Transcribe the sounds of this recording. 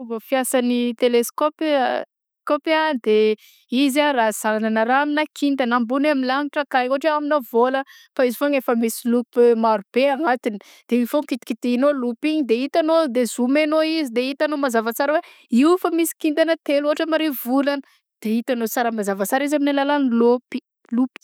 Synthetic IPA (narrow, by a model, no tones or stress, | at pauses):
vofiasanit̪eleskop | kopad̪e | izaraz̥aananəɾaminakind̪ənambunaminlaŋiʈ͡ʂəkakoʈ͡ʂeaminavolə | faizifoŋefəmisilupmaɾub̥eaŋat̪ini̥ | d̪̥eifoŋkit̪i̥kit̪iinolupiɲid̪eit̪anod̪ezumenoizid̪eit̪anomazavat͡saɾəwe | ifamisi̥kind̪anət̪eloɦaʈ͡ʂəmaɾevulanə | d̪̥eit̪anot͡saɾəmazavat͡saɾizaminelalanlupi̥ | lupi̥